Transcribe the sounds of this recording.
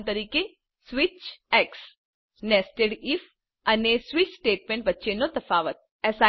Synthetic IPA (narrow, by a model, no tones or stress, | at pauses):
t̪əɾiːke | sʋit͡ʃɛks | nɛsʈeɽif | ɐnesʋit͡ʃsʈeːʈ̚mẽɳʈʋətːʃʰenot̪ɐfaːʋət̪̚ | ɛsa